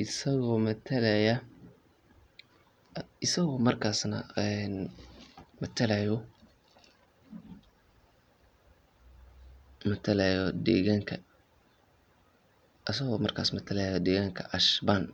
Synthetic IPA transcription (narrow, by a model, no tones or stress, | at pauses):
ɪsɐɣɔːmɐt̪ʰɐlɛjɐ | ɪsɐɣɔːmɐrkʰaːsnɐ̰ɛn | mɐt̪ʰɐlajɔ | mɐt̪ʰɐlɛjɔd̪ɛ̰ːɣaːŋkʰɐ | ʔɐs̬ɐɣɔːmɐrkʰaːsmɐt̪ʰɐlɛjjɔd̪ɛːɣaːŋkʰɐʔɐʃban